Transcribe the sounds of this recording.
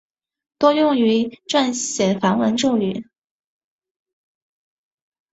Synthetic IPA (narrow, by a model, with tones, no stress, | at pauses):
t̪wɔ˥jʊ˥˩ŋy˧˥ʈ͡ʂwa˥˩nɕjɛ˨˩nfa˧˥nwə˧˥nʈ͡ʂu˥˩ʊy˨˩˦